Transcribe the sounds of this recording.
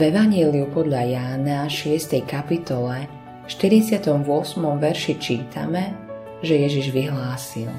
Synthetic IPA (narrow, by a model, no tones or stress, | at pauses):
vɛʋaɲɪɛliupɔd̪ʎajaːnaʃɪɛst̪ɛjkapit̪ɔlɛ | ʃt̪iɾit͡sɪat̪ɔmʋʊɔsmɔmʋɛɾʃit͡ʃiːt̪ʰa̰mɛ | ʒɛjɛʒiʒʋiɦlaːsilˠ